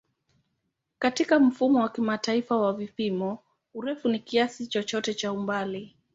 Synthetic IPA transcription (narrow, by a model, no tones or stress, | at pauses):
katikam̩fumɔwakimataifawavipimɔ | uɾɛfunikiasit͡ʃɔt͡ʃɔtɛt͡ʃaumbali